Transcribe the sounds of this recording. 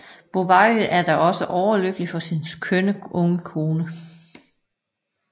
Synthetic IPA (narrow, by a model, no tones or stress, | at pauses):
b̥o̝ʋɑ̈ʔæɐd̥ɑʔɒ̽səʔɒʊɐløɡ̥əlifɒ̽sinskʰønəʔɔ̽ŋəkʰo̝ːnə